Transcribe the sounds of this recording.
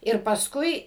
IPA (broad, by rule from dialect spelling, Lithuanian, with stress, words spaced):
ɪr pɐsˈkʊɪ